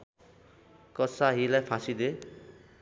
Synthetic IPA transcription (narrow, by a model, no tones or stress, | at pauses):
kʌsaɦilajpʰasid̪e